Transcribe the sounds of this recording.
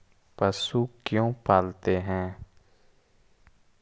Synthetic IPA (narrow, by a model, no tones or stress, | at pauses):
pəsuːkjõːpʰaːlt̪eɦɛ̃ː